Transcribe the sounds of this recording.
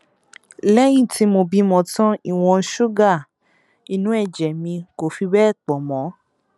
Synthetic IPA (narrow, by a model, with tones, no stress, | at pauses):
lɛ˦j̃ĩ˦˨ti˨˦mo˧bi˧mɔ̃˧˨tɔ̃˦i˦˨w̃ɔ̃˧ʃu˦ɡa˦˨ | i˨nũ˨˦ɛ˦˨d͡ʒɛ˨mĩ˧ko˨fi˧bɛ˦˨k͡pɔ˨mɔ̃˨˦